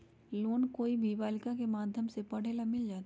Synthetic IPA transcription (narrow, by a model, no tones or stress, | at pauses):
loːnkoːibʱiʋaːlɪkakemaːd̪ʱjəmsepɐɽ̤eːlamɪld͡ʒaːt̪ː